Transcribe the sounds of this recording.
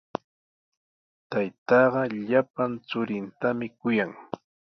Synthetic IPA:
t̪ajt̪ɑːɢɑʎapant͡sʊɾɪnt̪amɪkʊjaŋ

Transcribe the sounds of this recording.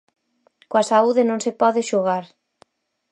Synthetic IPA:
kwasauðenõŋsepɔðeʃoɣaɾ

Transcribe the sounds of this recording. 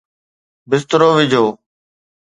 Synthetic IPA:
bɪst̪ɾoːʋɪd͡ʒʱoː

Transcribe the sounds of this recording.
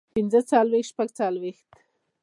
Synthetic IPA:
pinzət͡sɑlwexʃpaɡt͡sɑlwext̪

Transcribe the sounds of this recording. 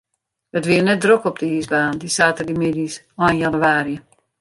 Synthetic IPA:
ətʋiərnɛt̚drokɔp̚dəiːsbaːndisaːtərdimɪdis | anjanuaːɾjə

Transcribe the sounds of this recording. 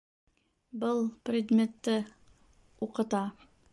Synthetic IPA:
bɤlˠprʲɪd̪mʲet̪ːɘ | uqɤ̆t̪ɑ

